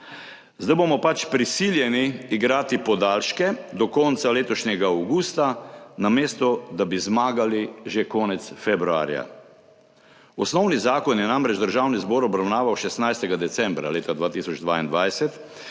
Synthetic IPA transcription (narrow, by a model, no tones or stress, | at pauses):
zd̪ajbomɔpat͡ʃpɾisiljɛniːɡɾaːt̪ipɔd̪aːlʃkɛd̪ɔkɔnt̪saleːt̪ɔʃɲɛɡaːwɡuːst̪anameːst̪ɔd̪abizmaːɡaliʒekɔːnɛt̪sfɛbɾua̰ːɾja̰ | ɔsnɔwnizaːkɔnjɛnamɾɛd͡ʒd̪əɾʒawnizbɔːɾɔbɾawnaːʋawʃɛst̪najst̪ɛɡad̪ɛt̪sɛmbɾa̰leːt̪ad̪ʋaːt̪isɔd͡ʒd̪ʋaːind̪ʋajsɛt̪